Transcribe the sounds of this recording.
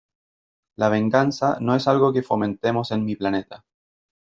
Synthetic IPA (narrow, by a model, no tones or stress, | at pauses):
laβe̞ŋɡansano̞e̞salɣo̞kefo̞mẽ̞nt̪e̞mo̞se̞nmiplane̞t̪a